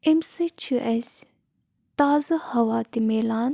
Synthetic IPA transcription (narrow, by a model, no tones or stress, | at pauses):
emsit͡ʃʰuʔesʲ | t̪aːzɨhɐwaːt̪imeːlaːn